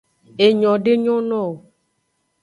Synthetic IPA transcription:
e˨ɲɔ̃˨ɖe˦ɲɔ̃˦nɔ̃˦o˨

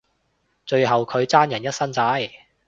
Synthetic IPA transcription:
t͡ʃɵ˧ɥɦɐ˨wkʰɵ˨˧ɥt͡saː˥njɐ˨˩njɐ˥t̚sɐ˥nt͡saː˨˧˥j

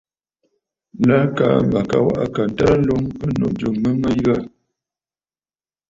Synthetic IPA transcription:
la˦ka̰˨mba˨ka̰˨wa̰˦ʔa̰˦ka˨n˨ta˦ɾlo˦ŋə˦no̰˦˨ʔd͡ʒo˨ŋmə˦mə˦ja˦˨

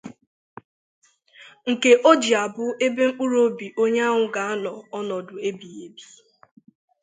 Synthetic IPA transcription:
ŋ̩˨ke˨ʔo˦d͡ʒi˨a˨bʊ˦e˦be˦ŋ͡m̩˦k͡pu˦ɾo˦bi˨ʔo˦ɲe˦a˦ɦʊ˨ɡa˨a˦nɔ˨ɔ˦nɔ˨dʊ˨e˦bi˨e˨bi˨˦

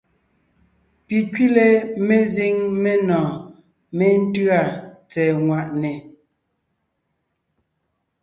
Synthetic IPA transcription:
pi˨ki˦le˦me˦zi˦ŋme˦nɔ̃ː˨ | me˦n̩˦tɰa˦˨t͡sɛ˨ŋwa˨ʔnɛ˨

